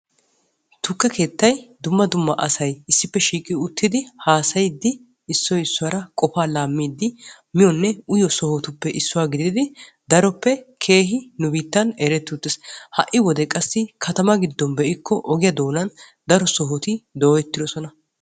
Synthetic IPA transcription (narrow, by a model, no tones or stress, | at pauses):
t̪ʊkːɐkʰe̞ːt̪ːɐjd̪ʊmːɐd̪ʊmːɐʔɐsɐjɪsːɪpːɛʃiːkʼɪʊt̪ːɪd̪ɪhaːsɐjd̪ːɪː | sːɔjɪsːʊwaːɾɐkʼɔfaːlaːmːiːd̪ːɪ | mɪjɔnːɛʊjɔsɔhɔt̪ʊpːɛʔɪsːʊwaːɡɪd̪ɪd̪ɪ | d̪ɐɾɔpːɛkʰe̞ːɦɪnʊbiːt̪ːɐnɛɾɛt̪ːʊt̪ːɪshɐʔɪwɔd̪ɛkʼɐsːɪkʰɐt̪ɐmɐɡɪd̪ːɔnbɛʔɪkːɔʔɔɡɪjɐd̪o̞ːnɐn | d̪ɐɾɔsɔɦɔt̪ɪd̪oːɛt̪ːɪd̪ɔsɔnɐ